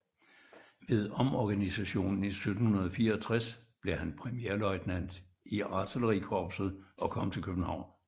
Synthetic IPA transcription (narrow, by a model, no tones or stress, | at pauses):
ʋe̝ðˠɒ̽mɒɡ̥ænisæɕo̝̰ːnn̩isød̥n̩hunɐð̞ˠfiːɐɒt͡sʰʁasb̥le̝hænpʰʁɛmieɐlɒ̽ɪd̥næn̰d̥ | iɑ̈t͡sʰələʁikʰɒːb̥sð̩ˠʔɒ̽kʰɒ̽m̰t͡sʰe̝lkʰøb̥n̩hɑ̈ʊ̰n